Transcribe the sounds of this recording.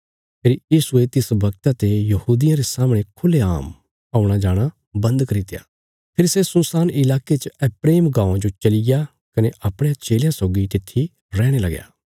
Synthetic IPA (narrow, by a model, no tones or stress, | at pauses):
pʰeːɾjiːsuet̪ɪsbɐk̚t̪at̪ejɐhuːd̪ɪjãɾesaːmɽ̃ekʰʊleaːm | ɐʊɽ̃ad͡ʒaːɽ̃a | bɐ̃nd̪kɐɾit̪eja̰ː | pʰɪɾsesʊ̃saːnɪlaːket͡ʃəɛpɾeːmɡãːʊãd͡ʒot͡ʃɐlɪja | kɐneʔɐpɽ̃ejãt͡ʃeːljãsɔːɡit̪ɪt̪ʰːi | ɾɛːɽ̃elɐɡja̰ː